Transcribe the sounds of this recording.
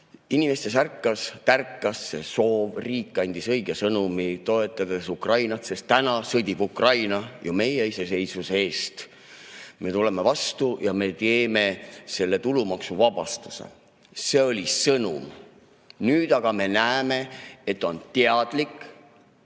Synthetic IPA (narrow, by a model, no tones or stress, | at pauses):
inime̞st̪e̞s̬ærkːˑɑst̪ærkːɑsːe̞so̞ːvriːkːˑɑnʲd̪̥isɤjɡ̥esɤnumit̪o̞e̞t̪ːˑɑd̪̥esukrɑjnɑt̪se̞st̪ːænɑsɤd̪̥ʲib̥ukrɑjnɑjume̞jeise̞se̞jsvusee̞ːst̪ | me̞t̪ule̞me̞vɑst̪ujɑme̞t̪eːme̞se̞lːe̞t̪ulumɑksuvɑb̥ɑst̪usḛ | se̞o̞lʲisɤnṵm | nyːd̪̥ɑɡ̥ɑme̞næeme̞e̞t̪ːˑo̞nt̪eɑd̪̥likːˑ